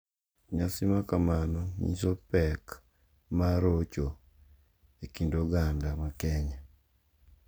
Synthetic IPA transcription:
ɲasimakamanɔɲḭsopɛk | maɾot͡ʃo | ekindoɡandamakɛɲa

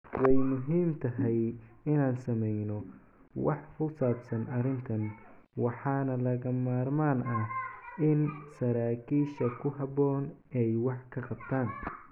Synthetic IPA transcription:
wɑjmʊɦiːmt̪ʰɐɦɛjɪnaːnsɐmɛjnɔ | wɑ̰ħkʊsaːbsɐnɐɾɪnt̪ʰɐn | wɑħɑːnɐlɐɣɐmaːrmaːnɐɪnsɐɾaːkʰiːʃɐkʰʊɦɑbɔːnɛjwɑħkʰɐqɑbt̪ʰaːn

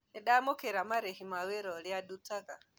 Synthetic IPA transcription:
niɗamokeɾamaɾehimaweɾɔljadutaka

